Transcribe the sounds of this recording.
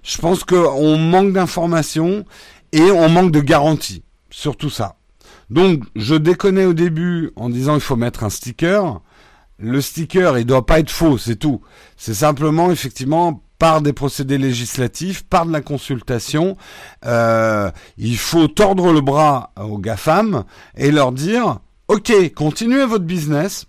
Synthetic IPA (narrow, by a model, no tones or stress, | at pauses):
ʒ̥əpɑ̃skəɔ̃mɑ̃k̚d̪ɛ̃fɔʁmasjɔ̃ | eɔ̃mɑ̃k̚d̪əɡaʁɑ̃t̪ʰi | syʁt̪usa̰ | d̪ɔ̃kʒəd̪ekɔnɛod̪ebyɑ̰̃d̪izɑ̃ilfomɛt̪χɛ̃st̪ikʲœʁ | ləst̪ikʲœʁild̪wapaɛt̪χfosɛt̪u | sɛs̬ɛ̃pləmɑ̃efɛk̚t̪ivmɑ̃paʁd̪epχɔsed̪eleʒislat̪ifpaʁd̪əlakɔ̃sylt̪asjɔ̃ø | ilfot̪ɔʁd̪ʁələbʁaoɡafam | elœʁd̪iːʁ | ɔkʲekɔ̃t̪inyɥevɔt̪χbiznɛs